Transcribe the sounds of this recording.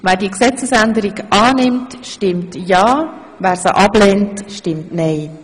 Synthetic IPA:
vɛːɾdiəksɛt͡səsɛndəɾiɡʔɑːnɪmtʃtɪmtjɑː | væːɾsəʔɑbleːntʃtɪmtnɛɪ

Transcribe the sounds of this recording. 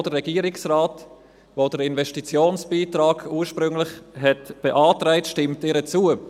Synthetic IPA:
d̥əɾːɛɡ̥iəɾɪksraːt | vod̥əɾɪnvɛʃtit͡sjoːnsb̥iːtɾaːɡuːɾʃpɾʏŋlɪχɦɛtb̥ɛʔɑːtɾaɪtʃtɪmtɪːɾət͡suə

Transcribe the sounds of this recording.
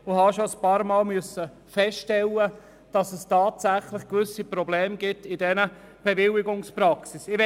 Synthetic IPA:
ʊhɑːʃoəspɑːɾmɑːlmyəsə | fɛstɛlːə | d̥ɑsəstɑːtsæχlɪχkʋʏsipɾɔblɛːmɡ̥ɪtɪdɛnə | b̥evɪlɪɡʊŋspɾɑksisɪʋɛ

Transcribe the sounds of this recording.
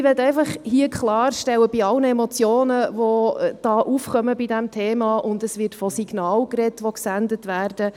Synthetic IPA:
ʋɛtɛɪfɑχhiəkχlɑːɾʃtɛlwəbɪɑlnəɛmɔt͡sjoːnəʋɔd̥ɑːʔuːfχœməbidɛmtʰeːmɑʔʊndəsʋɪtfɔsiɡ̥nɑːlkɾɛtʋɔksændətʋæːrd̥ə

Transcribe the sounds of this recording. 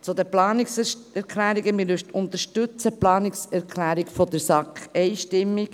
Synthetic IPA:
t͡sʊd̪əplɑːniksɛɾkʰlæːɾiɡəmɪlyʃt̪ʊnt̪əɾʃtʉt͡səplɑːniksɛɾkʰlæːɾikfɔd̪əɾsɑkχɛɪʃtɪmːik

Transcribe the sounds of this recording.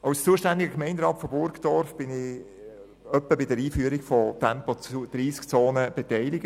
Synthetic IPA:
aʊst͡suəʃtænd̪ɪɡəkmɛɪndɾɑːtfɔbʊɾɡd̥̪ɔɾfb̥ɪnɪ | œpːəbɪdəɾiːfyəɾɪɡfɔtʰɛmpɔd̥ɾiːskt͡soːnəb̥ɛtɛɪlɪɡ̥ə

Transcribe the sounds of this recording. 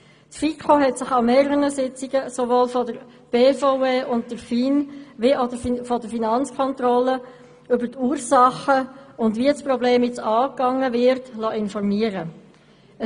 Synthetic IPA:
tfikʰoɦɛtsɪχameːɾəʁənəsɪt͡sɪɡəsoʋoːlfɔdəɾ | b̥eːfoeːʔʊnt̚təɾfiːnʋeʔodəffɔdəɾfinɑnt͡skʰɔntɾɔlə | ʏbəɾtuːɾsɑχəʊndviəsprɔbleːmjɛt͡sɑːkɑŋəvɪɾtlɔʔɪnfɔɾmiəɾə

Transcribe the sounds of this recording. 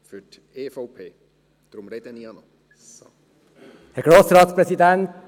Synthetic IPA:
fʏt | eːfowpʰeː | d̪̥ɾʊmɾed̪əniɑnɔ | hæɾɡ̥ɾoːsɾɑːt̪spɾɛsid̪ɛnt

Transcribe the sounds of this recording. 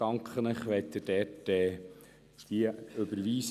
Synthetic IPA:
ɑŋkχənəχʋɛt̪ːəd̥ɛtːɛː | d̥̪iəɵbəɾʋiːs

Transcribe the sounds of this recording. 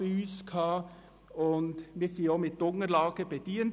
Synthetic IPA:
ʉːskʰɑ | ɔnd̪mʋɪsiːomɪt̪̚d̪̥ɔŋəɾlɑːɡ̥əbɛt̪iːən

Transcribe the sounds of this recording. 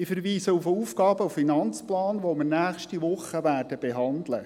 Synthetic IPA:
ɪfəɾʋiːsəufuːfɡɑːbəuffinɑnt͡splɑːnʋoməɾnæːχʃtiʋʊχːəʋæːrd̥əb̥eɦɑnd̪lə

